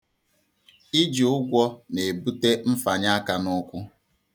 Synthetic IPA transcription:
i˦d͡ʒi˨ʊ˦ɡʷɔ˦ne˨bu˦te˦m̩˦fa˨ɲa˦a˦ka˨nʊ˦kʷʊ˦

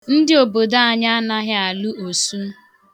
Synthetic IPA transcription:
n̩˦dɪ˦o˨bo˨da˦a˨ɲa˦a˦na˦ɦɪ˦a˨lu˦ʔo˨su˦

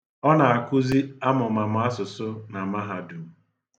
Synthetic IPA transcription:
ɔ˦na˨a˨kʊ˦zi˦a˦mʊ˨ma˨m̩˨a˦sʊ˨sʊ˦na˨ma˦ɦa˨du˨m̩˦

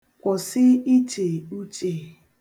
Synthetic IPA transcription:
kʷɔ˨sɪ˦i˦t͡ʃe˨u˦t͡ʃe˨

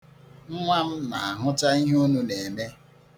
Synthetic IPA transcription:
m̩˦ŋʷa˦m̩˦na˨a˨ɦʊ˦ta˦i˦ɦu˦nu˦ne˨me˦

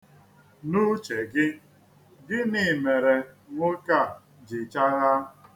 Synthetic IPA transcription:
nu˦t͡ʃe˨ɡɪ˦ | ɡɪ˦nɪ˨me˨ɾe˨ŋʊ˦ka˦˨ | d͡ʒɪ˨t͡ʃa˦ɣa˦

